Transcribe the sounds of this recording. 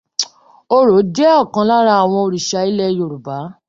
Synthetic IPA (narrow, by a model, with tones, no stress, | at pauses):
o˦ɾo˨˦d͡ʒɛ˦ɔ˦˨kã˧la˦ɾa˧˦a˨w̃ɔ̃˧o˧ɾi˨ʃa˧i˨˦lɛ˦˨jo˨ɾu˨ba˨˦